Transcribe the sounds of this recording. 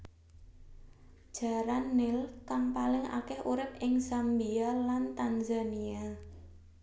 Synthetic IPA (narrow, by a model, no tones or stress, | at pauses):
d̥ʒ̥a̤ɾanːɪlkaŋpalɪŋa̰kɛhʔuɾɪp̚ɪŋsambialant̪anzania